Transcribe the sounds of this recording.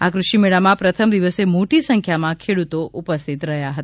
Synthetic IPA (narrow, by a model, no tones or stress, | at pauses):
akɾuʃimeɭamãpɾət̪ʰəmd̪iʋəsemoʈisə̃ŋkʰjamãkʰeɽut̪oʔupəst̪ʰit̪ɾəɦjaɦət̪aa